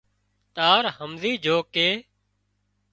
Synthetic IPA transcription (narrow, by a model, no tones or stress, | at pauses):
t̪aːɾhəmziːd͡ʒʱoːkeː